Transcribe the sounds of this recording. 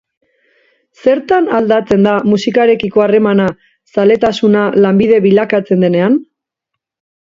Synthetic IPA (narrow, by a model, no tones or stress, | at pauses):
se̞ɾt̪anald̪at͡se̞nd̪amusikaɾe̞kiko̞are̞mana | sale̞t̪asunalambiðe̞βilakat͡se̞nd̪e̞ne̞an